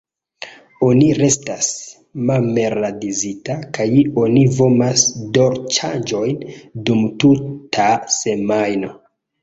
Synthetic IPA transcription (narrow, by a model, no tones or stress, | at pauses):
o̞niɾe̞stas | malme̞ɾadizitakajo̞nivo̞masdo̞ɾt͡ʃand͡ʒo̞jndumtutʰase̞majno̞